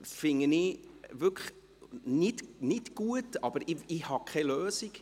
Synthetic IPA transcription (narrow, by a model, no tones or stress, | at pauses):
fɪŋəniʋʏk | nɪtnɪtɡ̥uətɑb̥əɾɪɪhɑkʰɛløːsik